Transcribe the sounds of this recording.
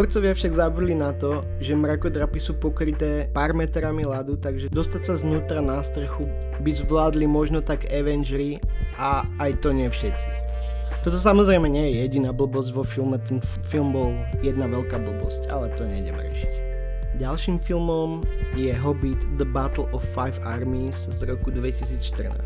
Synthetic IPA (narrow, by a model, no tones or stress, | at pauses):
ɔɾt͡sɔʋɪafʃaɡzabud̪linat̪ɔ | ʒɛmɾakɔd̪ɾapisuːpɔkɾit̪ɛːpaːɾmɛt̪ɾamilad̪ut̪aɡʒɛd̪ɔst̪acsaznuːt̪ɾanast̪r̩xu | bizʋlaːd̪limɔʒnɔt̪aɡɛʋɛnʒɾiʔaːjt̪ɔɲɪɛfʃɛt͡si̥ | t̪ɔt̪ɔs̬amɔzɾɛɪmɛɲɪɛjɛjɛɟinaːbl̩bɔzɟʋɔfilˠmɛt̪ɛn | filˠmbɔl | jɛd̪naʋɛlkaːbl̩bɔ̰sca̰lɛt̪ɔɲɛɟɛ̰m̰ɾɛ̰ʃi̥c | ɟalʃiːmfilmɔmjɛɦɔbit̪d̪əbat̪l̩ˠɔfːajfaɾmizzɾɔkud̪ʋɛcisiːt͡sʃt̪ər̩na̰ː